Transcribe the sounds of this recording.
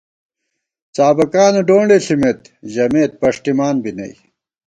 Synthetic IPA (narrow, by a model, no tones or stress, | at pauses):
t͡saːbɐkaːneɖoːɳɖeɬimet̪ | ʑɐmeːt̪̚pɐʂʈimaːnbinɐ̰j